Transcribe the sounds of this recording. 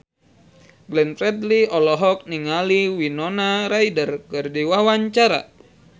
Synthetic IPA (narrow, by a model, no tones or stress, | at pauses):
ɡlɛnfɾɛd̪liɔlɔɦɔk̚niŋaliwinɔnaɾaidərkɨrdiwawaɲt͡ʃaɾa̰